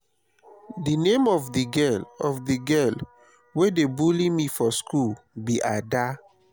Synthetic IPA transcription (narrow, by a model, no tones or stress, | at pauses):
dinemɔvdiɡɛlɔfdiɡɛl | wedebulimifɔskʰulbiʔada